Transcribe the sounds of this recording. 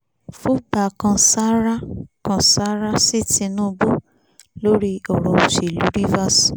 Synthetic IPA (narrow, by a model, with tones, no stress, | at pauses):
fu˦ba˨kã˧sa˦ɾa˦kã˧sa˦ɾa˦si˦ti˧nũ˦˧bo˦ | lo˦ɾi˦ɔ˨ɾɔ̃˨o˨ʃe˨lu˦ɾi˦va˦s